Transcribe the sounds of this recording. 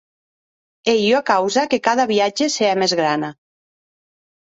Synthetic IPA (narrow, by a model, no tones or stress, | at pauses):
ejoakawzakekaðaβiad͡ʒeseamezɣɾana